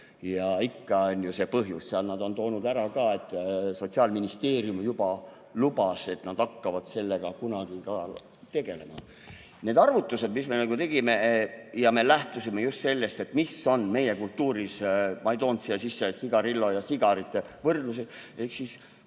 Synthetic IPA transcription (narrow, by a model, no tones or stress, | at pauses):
jɑikːɑonʲjuse̞pɤɦjusseɑlnɑd̪o̞nt̪o̞ːnud̪æɾɑkɑe̞t̪ˑːso̞t̪ʲsiɑːlminist̪e̞ːrjumjubɑ | lubɑse̞t̪nɑd̪ɑkːɑvɑd̪̥se̞lːe̞ɡ̥ɑkunɑɡ̥ikɑ | t̪e̞ɡ̥e̞le̞mɑ̰ | ne̞ːd̪ɑrvut̪ːˑuse̞d̪misme̞nɑɡut̪e̞ɡ̥ime̞jɑme̞læht̪usimejust̪se̞lːe̞st̪e̞t̪ːmiso̞nme̞jekult̪ːuːɾismɑejt̪o̞ːnt̪siɑsisːesiɡ̥ɑɾilːo̞jɑsiɡ̥ɑɾit̪ːˑevɤrd̪luseehksis